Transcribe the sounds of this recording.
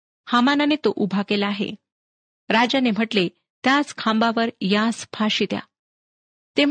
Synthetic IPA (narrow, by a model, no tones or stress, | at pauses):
hamananet̪oʔubʱakelaːɦḛ | ɾad͡ʑanem̤əʈle | t̪jaskʰãmbaʋəɾjaspʰaɕit̪ja̰ | t̪e